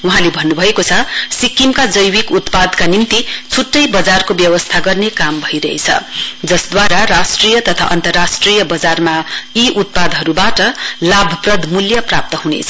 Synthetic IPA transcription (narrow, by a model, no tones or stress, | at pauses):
uɦãlebʱʌnːubʱʌekot͡sʰʌsikːimkad͡zʌjwikut̪pad̪kanimt̪it͡sʰuʈːʌjbʌd͡zarkobjʌwʌst̪ʰaɡʌrnekambʱʌiɾʌ̰ɦet͡sʰʌ̰d͡zʌsd̪waɾaɾasʈrijʌt̪ʌt̪ʰa̰ʔʌnt̪ʌrːasʈrijʌbʌd͡zarmajiʔut̪̚pad̪ʱɦʌɾubaʈʌlabʱʌprʌd̪ʱmuljʌprap̚t̪ʌɦunḛt͡sʰʌ